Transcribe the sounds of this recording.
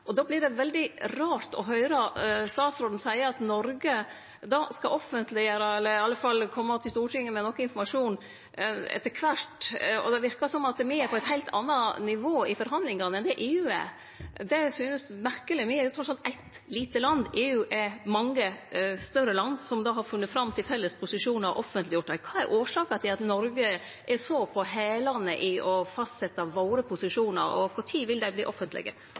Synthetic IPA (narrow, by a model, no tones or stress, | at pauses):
ʔɔd̪ɑːblɪɖɛʋɛld̪ɪɾɑːɾt̪ɔ̰ɦœʏɾɑst̪ɑːt̪sɾɔːd̪n̩sæɪəɑt̪nɔɾɡə | d̪ɑːskɑʔɔfənt̪lɪəɾəɛlːəɾɑlːəfɑlːkʰɔmːɑt̪ʰɪlst̪uːʈʰɪŋːəmɛnɔkːəɪnfɔɾmɑʂuːn | ɛ̰t̪ːəɾkʰʋæʈɔ̰d̪ɛʋɪɾkɑsɔmɑt̪̚d̪ɛmɪæɾpʰɔæɪt̪hæɪlt̪ʰɑ̰nːɑnɪʋoːɪfɔɾɦɑnd̪lɪŋɑnɛnd̪ɛʔeːʉːɛ̰ | d̪ɛsyːnəsmæɾkəlɪmɪɛɾjʊt̪ʰɾɔt̪ːsɑlt̪æɪt̪ | liːt̪əlɑnd̪eːʉːʔɛmɑŋːəst̪œɾəlɑnd̪sɔmd̪ɑːɦɑɾfʉnːət̪fɾɑmt̪ʰɪlfɛlːəspʰʊsɪʂuːnɑʔɔfənt̪lɪjʊʈ̪ːæɪkʰɑːɛ̰ɾʔoːʂɑːkɑt̪ʰɪɑt̪nɔɾɡə | ʔɛsopʰɔɦeːlɑnəʔɪɔfɑst̪sɛt̪ːɑʋoːɾəpʰʊsɪʂuːnə̰ɾɔ̰kʰʊʈʰiːʋɪld̪æɪbliːʔɔfənt̪lɪ̰ɡə̰